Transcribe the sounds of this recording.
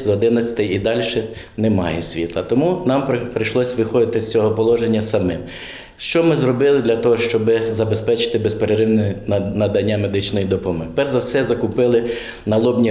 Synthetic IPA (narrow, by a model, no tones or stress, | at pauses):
zɔd̪ɪnɐt͡sʲɐ̥t̪ɛjid̪ɑlʲʃɛ | nɛmɑjɛsʲʋʲḭt̪lˠɐt̪ɔmunɑmppɾɪjʃlˠɔsʲʋɪxɔd̪ɪt̪ɪsʲt͡sʲɔɦɔpɔlˠɔʒenʲːɐsɐmɪm | ʃt͡ʃɔmɪzrɔbɪlˠɪd̪lʲɐt̪ɔɦɔʃt͡ʃɔbɪzɐbespɛt͡ʃɪ̥t̪ɪbespeɾeɾɪwnnɐd̪ɐnʲːamed̪ɪt͡ʃnɔjid̪ɔpɔmɔɦpɛrzɐwsɛzɐkʊpɪlˠɪ | nɐlˠɔbnʲi